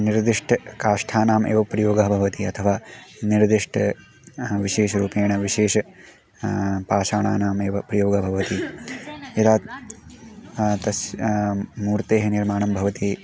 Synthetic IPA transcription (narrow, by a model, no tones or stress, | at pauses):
niɾd̪iʂʈʰɐkaːʂʈʰaːnaːmʔḛːʋɐpɾɐjoːɡɐɦɐbʱɐʋɐt̪iɐt̪ʰɐʋaːniɾd̪iʂʈʰɐ | ʋiʃeːʃɐɾuːpeːɳɐʋiʃeːʃɐ | paːʃaːɳaːnaːmeːʋɐpɾɐjoːɡɐbʱɐʋɐt̪i | jɐt̪aːt̪ | t̪ɐs | muːɾt̪eːɦɐniɾmaːɳɐmbʱɐʋɐt̪i